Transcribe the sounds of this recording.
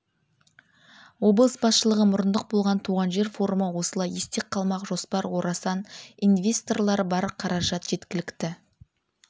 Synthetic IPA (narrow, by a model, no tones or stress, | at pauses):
wo̞blˠəsbɑsʃəlˠəʁəmʊɾənd̪əq̚bo̞lˠʁɑnt̪ʰuʁɑnʒe̞ɾfo̞ɾuməwo̞səlˠɑjest̪e̞qʰːɑlˠmɑqʒo̞spɑɾwo̞ɾɑsɑninvʲe̞st̪o̞rlˠɑɾbɑɾqʰɑɾɑʒɑt̪ʒ̥e̞t̪kʲɪlɪkt̪ɪ